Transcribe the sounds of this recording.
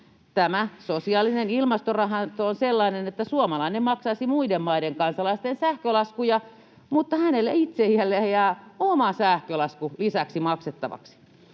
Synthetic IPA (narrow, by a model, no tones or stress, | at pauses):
t̪æmæsosiɑlːˑinenilmɑst̪orɑhɑnt̪oonselːɑinenet̪ːæsuomɑlɑinemmɑksɑisimuidemmɑideŋkɑnsɑlɑist̪ensæhkølɑskujɑ | mut̪ːɑhænelːeit̪sejælːejæomɑsæhkølɑskulisæksimɑkset̪ːɑ̰ʋɑ̰ksi̥